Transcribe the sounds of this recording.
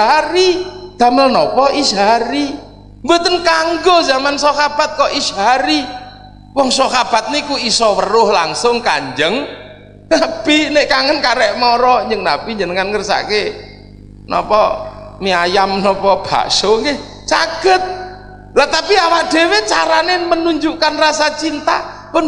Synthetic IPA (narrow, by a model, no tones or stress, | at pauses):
aɾid̪̥a̤məlnɔpɔʔisɦaɾi | ŋɡot̪ənkaŋɡɔzamansɔkab̥a̤t̪̚kɔʔisɦaɾi | wɔŋsɔkab̥a̤t̪̚nikuisɔwərʊhlaŋsʊŋkaɲd͡ʒəŋ | nab̥ineʔkaŋənkaɾɛʔmɔɾɔɲd͡ʒəŋnapiɲd͡ʒənəŋanŋərsa̰ke | nɔ̰pɔ̰miajamnɔpɔb̥a̰ʔsʊŋɡeh | t͡ʃaɡ̥ət̪̚ | lat̪apiawaʔd̥ewet͡ʃa̰ɾanemənuɲd͡ʒukanrasat͡ʃint̪a̰pʊn